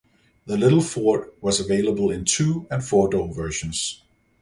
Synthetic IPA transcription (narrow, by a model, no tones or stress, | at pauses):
ðəlɪɾl̩ˠfɔɹt̚wʌzəveɪlˠəbəlˠɪ̃ntʰʉɨ̃nfɔɹdoʊvɜ˞ʃɨ̃nz̥